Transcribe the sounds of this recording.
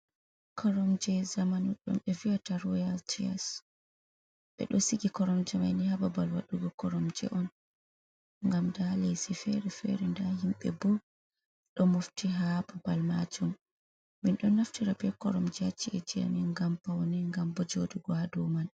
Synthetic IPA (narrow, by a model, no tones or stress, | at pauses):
kʰɔɾɔmd͡ʒɛzamanuɗɔ̰mɓɛviataɾwɛjaltʰia̰s | ɓɛ̰ɗɔsiɡikɔɾɔmd͡ʒɛmajnihababalwaɗuɡɔkɔɾɔmd͡ʒɛ̰ʔɔn | ŋɡamdalesifɛɾɛfɛ̰ɾɛndaɦimɓɛ̰bu | ɗɔmuftiɦabɔbalma̰d͡ʒum | minɗɔnaftiɾabɛkɔɾɔmd͡ʒɛat͡ʃːiʔɛd͡ʒija̰niŋɡampawnɛŋɡambɔd͡ʒodiɡɔadɔman